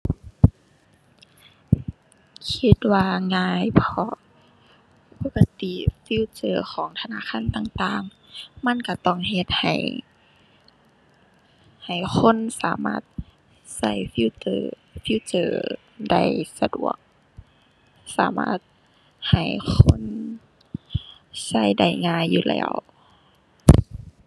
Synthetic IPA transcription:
kʰi˧t̪̚waː˧ŋaː˧˨jpʰɔ˧˥ | po˧˥ka˧t̪i˧˨fi˧˥˨t͡ɕɤː˧˩xʰɔː˨˦ŋt̪ʰa˧na̰ː˧˥˨xʰaː˧˥˨nt̪aː˧˨ŋt̪aː˧˨ŋ | ma˧˥˨nka˧˩t̪ɔ˧˩˨ŋɦe˧t̪̚ha̰˨˩j | ha˨˩jxʰo˧˥˨nsaː˨˦maː˧˩t̪̚ | sa˧˥˩jfi˧˥˨tɤː˧ | fi˧˨t͡ɕɤː˧˩ | da˧˩jsa˧du˨˩ə̰k̚ | sa̰ː˨˦ma̰ː˧˩t̪̚ | ha˨˩jkʰo˧˥˨n | sa˧˥˨jda˧˩jŋaː˧˥˨jːuː˧lɛ̰ː˧˩˨w

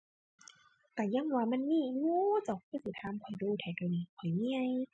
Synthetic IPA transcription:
t̪ɛː˨˩ja˧˥˨ŋwaː˧˩ma˧˥˨nːiː˧˥˩juː˧˦t͡ɕa˧˩wkʰu˧˥˨siː˧˩t̪ʰaː˧˨mkʰɔ˨˩jduː˧t̪ʰɛː˨˩da˧˩˨niː˧˩kʰɔ˨˩jmiː˧˨a˧˨j

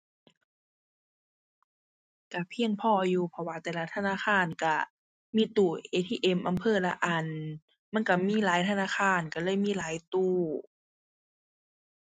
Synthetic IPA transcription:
ka˧˩pʰi˧əŋpʰɔː˧˩ʔa˧juː˧pʰɔ˧waː˧t̪ɛː˧˩la˧˥t̪ʰa˧naː˧˥˨xaː˧˩˨nka˧˩ | miː˧˥˨t̪uː˧˩ʔeː˧˩t̪ʰiː˧˨ʔe˧˩mʔa˧˨mpʰɤː˧˩˨la˧ʔa˧˩n | ma˧˥˨nka˧˩miː˧˥˨laː˨˦jt̪ʰa˧naː˧˥˨xʰaː˧˥˩nka˧˩lɤː˧˥˨jmiː˧˥˨laː˨˦jt̪uː˧˩

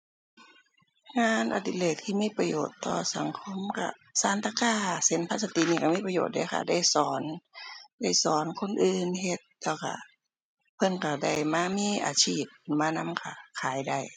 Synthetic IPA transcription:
ŋaː˧˥nʔa̰˧t̪i˧˨leː˧˩k̪̚t̪ʰiː˧miː˧˥˨pa˧joː˨˩t̪ːɔ̰ː˧˩sa˨˦ŋkʰo˧˥˨mka̰˧˩ | saː˨˦nt̪a˧kaː˧˩se˨˦npʰa˧t̪̚sa˧t̪i˧˨niː˧˩ka˧˩miː˧˥˩pa˧joː˨˩t̪̚daː˧˦kʰa̰˧˩da˧˩jsɔː˨˦nda˧˩jsɔː˨˦nkʰo˧˥˨nʔɯː˧nhe˧˦t̪̚lɛː˧˩wkʰa̰˧˩ | pʰɤ˧˥˨nka˧˩da˧˩jmaː˧˨miː˧˨ʔa̰ː˧t͡ɕʰiː˧˩p̚ːmaː˧˨na˧˥˨mkʰa̰˧˩kʰaː˨˦jda˧˩j

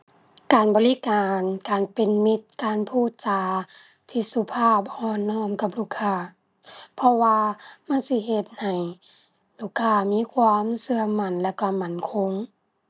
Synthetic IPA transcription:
kaː˨˩nbɔː˨li˦˧˦kaː˨˩nkaː˨npe˨nmi˧t̪̚kaː˨npʰuː˧˥˩t̪̚t͡ɕaː˨˧˦ | t̪ʰiː˧su˧pʰaː˧˥˩p̚hɔː˧˨nːɔː˧˩˨mka˧˦p̚luː˧˩kʰaː˧˩ | pʰɔ˧waː˧ma˧˥˨nsi˧ɦe˧t̪̚ha˨˩j | luː˧˩kʰːaː˧˩miː˧˥˨kʰwaː˧˥msɯ˧ɐma˧˩˨nlɛː˧˩ka˧˩ma˧˩˨nkʰo˧˥ŋ

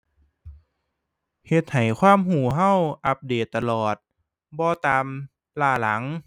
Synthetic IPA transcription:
he˧t̪̚ha˨˩jkʰwaː˧˥˨mɦuː˨˩ɦa˧˥˩wʔa˧˦p̚deː˨˩t̪ːa˧lɔː˨˩t̪̚ | bɔː˧t̪aː˧m | laː˧˩la˨˩˦ŋ

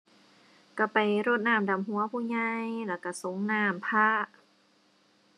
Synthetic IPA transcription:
ka˧˩pa˨jɾoː˧˥˩t̪̚naː˧˩˨mda˨˩mhu˨˦ɐpʰuː˧˩˨ɲa˧jlɛː˧˩wka˧˩so˨˧˦ŋnaː˧˩mpʰaː˧˥˩

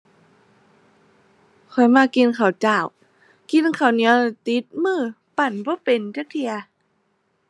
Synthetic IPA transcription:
kʰɔ˨˩jmaː˧ki˧˨nkʰa˨˩wt͡ɕaː˧˩w | ki˧˨nkʰa˨˩wni˧˦˥ɐ˧wt̪i˧˦˥t̪̚mɯː˧˩ | pa˨˧˩nbɔː˧˦pe˨nt͡ɕa˧˥˦k̚t̪ʰi˧ɐ

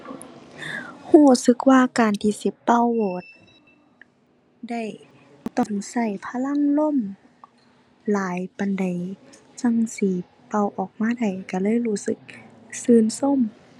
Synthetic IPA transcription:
huː˧˩sɯ˧˦k̚waː˧˨kaː˨nt̪ʰiː˧˩si˧˦pːa˧˨wboː˨˩˦t̪̚ | da˧˩j | t̪ɔ˧˩ŋsa˧˩jpʰa˧la˧˥˨ŋlo˧˥˨m | laː˨˦jpa˨nda˨j | sa˧˩ŋsiː˨˦ | pa˧˩˨wʔɔː˨˩k̚maː˧˥˨da˨˩jka˧˩lɤː˧˥˨jhuː˧˩sɯ˧˦k̚sɯː˧˦˨nso˧˥˨m

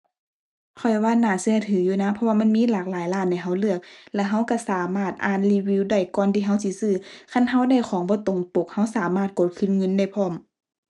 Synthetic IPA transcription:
kʰɔ˨˩jwaː˧˥˨naː˧˩sɯ˧ə˨t̪ʰɯː˨˦juː˧˨na˧˥˨pʰɔ˧wa˧ma˧˥˨nmiː˧˥˨laː˨˩k̚laː˨˦jlaː˧˩nːa˧˩jɦa˧˥˩wlɯ˧˩ək̚lɛ˧˩ɦa˧˥˨wka˧˩saː˨˦maː˧˩t̪̚ʔaː˧˥˨nliː˧˥wiː˧˥˨wda˧˩jkɔː˧˨nt̪ʰiː˧˨ɦa˧˥˨wsi˧˦sɯː˧˨kʰa˧˥˨nɦa˧˥˨wda˧˥˨jkʰɔː˨˦ŋbɔː˧˦t̪o˨˦ŋp̪o˧˦k̚ha˧˥˩wsaː˨˦maː˧˩t̪̚ko˨˧˦t̪̚kʰɯ˧˥nŋɤ˧˥˨nda˧˩jpʰɔː˧˩˨m

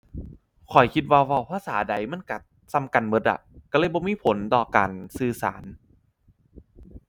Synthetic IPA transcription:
kʰɔ˨˩jkʰi˧t̪̚waː˧wa˧˩wpʰaː˧saː˩˦da˨˩jma˧˥˨nka˨˧˩t̪̚ | sa˧˥˨mka˨˩nbɤ˦t̪̚a̰˧˩ka˧˩lɤː˧˥˨jbɔː˧miː˧˥˨pʰo˨˦nt̪ɔː˨˩ka̰ː˨˩nsɯː˧˩sa̰ː˩˦n

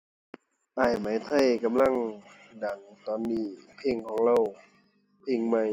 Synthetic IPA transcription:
ʔaː˧˩jma˨˦jt̪ʰa˧˨jka˧˦mla˧˥˨ŋ | da˨˩ŋt̪ɔː˨˩nːiː˧˩pʰe˧˥˨ŋkʰɔː˨˦ŋɾa˧˨w | pʰe˧˨ŋma˧˩˨j

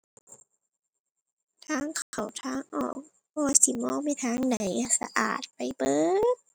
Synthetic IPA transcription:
t̪ʰaː˧˥˨ŋkʰa˨˩wt̪ʰaː˧˥˩ŋʔɔ̰ː˨˩k̚ | pʰɔː˧waː˧si˧˨˦mɔː˧˥˨ma˧˨t̪ʰaː˧˥˨ŋda˨˦jsa̰˧ʔa̰ː˨˩t̪̚pa˨˩jbɤː˧˦t̪̚

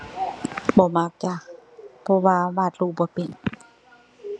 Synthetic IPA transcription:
bɔː˧˦ma˧˥˩k̚t͡ɕaː˧˨˩k̚pʰɔ˧waː˧baː˧˩t̪̚luː˧˩bɔː˧˦pe˨n

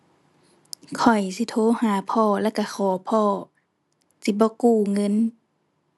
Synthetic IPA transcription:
kʰɔ˨˩jsi˧˦t̪ʰoː˧˦haː˨˦pʰɔː˧˨lɛː˧˨ka˧˩xʰɔː˨˩˦pʰɔː˧˩ | si˧˦bɔː˧˦kuː˧˩ŋɤ˧˥˨n

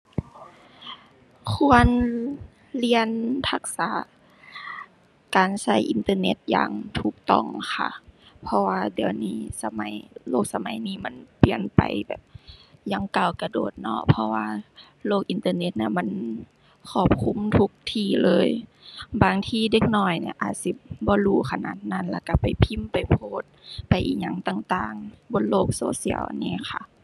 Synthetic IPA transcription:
kʰu˧ən | li˧ənpʰa˧˩k̚sa̰ː˨˧˦ | kaː˨nsa˧˥˩jʔi˨nt̪ɤː˧ne˧˦t̪̚ja̰ː˨˧˩ŋt̪ʰuː˧˩k̚t̪ɔ̰˧˩˨ŋxʰa̰˧˩pʰɔ˧waː˧di˨˩əwniː˧˩sa˧ma˨˦jloː˧˨k̚sa˧ma˨˦jniː˧˩ma˧˥˨npi˨˧˩ənpa̰˨jbɛ̰ː˨˩p̚ja˧˦ŋkaː˧˩wka˧doː˨˩t̪̚nɔ˧˥pʰɔ˧waː˧ | loː˧˩k̚ʔi˨nt̪ɤː˧ne˧˥t̪̚ni˧˨ma˧˥˨n | kʰɔː˧˩p̚kʰu˧˥˨mt̪ʰu˧˥k̚t̪ʰiː˧˩lɤː˧˥˨jbaː˨˩ŋt̪ʰiː˧˨de˧˥k̚nɔː˧˩jnḭ˧ʔa̰ː˨˩t̪̚si˧˦bɔː˧˦luː˧˩kʰa˧na̰ː˧˩t̪̚na˧˥˨nla˧˩ka˧˩pa˨˩jpʰi˧˥˨mpa˨jpʰoː˧˦t̪̚pa˨˩jʔḭː˧˨˩ɲa˧˩ŋt̪a˧˩ŋt̪aː˧˩ŋbo˧˥nloː˧˩k̚soː˧˦sḭ˧˩ə̰wʔa̰˧˨nːiː˧˩xʰa̰˧˩

